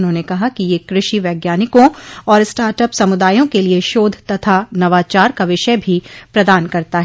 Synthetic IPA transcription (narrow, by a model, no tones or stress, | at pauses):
ʊnɦõːnekɐɦakijekɾɪʃiʋɛːɡjaːnɪkõɔːɾsʈaːɾʈəpsɐmʊd̪aːjõkelieʃoːd̪ʱt̪ɐt̪ʰanɐʋaːt͡ʃaːɾkaʋɪʃəbʱipɾɐd̪aːnkɐɾt̪aɦɛ